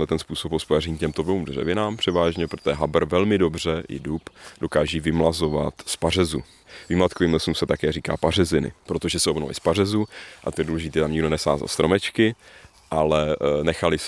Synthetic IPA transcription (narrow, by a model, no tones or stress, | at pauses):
ɛlɛt̪ɛnspuːsopɦospojarɛɲicɛmt̪oblouːmd̪rɛ̰vɪnaːmpr̝̥ɛvaːʒɲɛpɾot̪oʒɛɦabɾvɛlmɪdo̞br̝ɛjɪ̰dupdo̞kaːʒivɪmlazo̞vat̪spar̝ɛzṵ | vɪmlat̪koviːmlɛsumsɛt̪akɛːriːka̰ːparɛzɪnɪ̰pɾot̪o̞ʒɛsɛobno̰lɪ̰spar̝ɛzuʔat̪ojɛduːlɛʒɪt̪ɛːt̪amɲɪɡdo̞nɛsa̰ːza̰lst̪ɾo̞mɛt͡ʃkɪ | ʔalɛnɛxalɪs